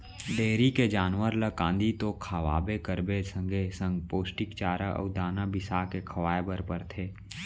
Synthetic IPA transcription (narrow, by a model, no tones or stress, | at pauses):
d̪eːɾiked͡ʒaːnʋəɾləkãːnd̪it̪okʰaʋa̰ːbekəɾbesə̃ŋɡesə̃ŋɡpoːsʈɪkt͡ʃaːɾəʔə̰ʊd̪aːnabɪsaːkekʰɐʋaːebəɾpəɾt̪ʰeː